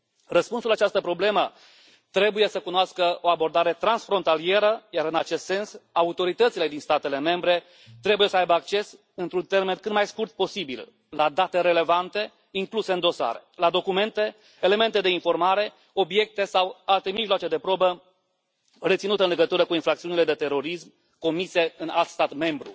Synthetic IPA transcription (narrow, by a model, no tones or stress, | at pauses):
rəspunsulat͡ʃast̪əpɾo̞ble̞mə | t̪ɾe̞buje̞səkunoaskəo̞abo̞rd̪aɾe̞t̪ɾansfɾo̞nt̪alie̞ɾəjaɾɨnat͡ʃe̞st̪se̞nsaut̪o̞ɾit̪ət̪sile̞d̪inst̪at̪e̞le̞me̞mbɾe̞ | t̪ɾe̞bujesəajbəak̚t͡ʃe̞s | ɨnt̪ɾunt̪e̞rmenkɨt̪majskurt̪̚po̞sibḭl | lad̪at̪e̞ɾe̞le̞vant̪e̞ | iŋkluseɨnd̪o̞sa̰ɾḛlad̪o̞kume̞nt̪e̞ | ele̞me̞nt̪e̞d̪einfo̞rmaɾe̞ | o̞bje̞k̚t̪e̞sawalt̪e̞miʒloat͡ʃe̞d̪e̞pɾo̞bə | ret̪sinut̪əɨnleɡət̪uɾəkuinfɾak̚t̪siuniled̪et̪e̞ɾo̞ɾism | ko̞mise̞ɨna̰lt̪st̪at̪me̞mbɾṵ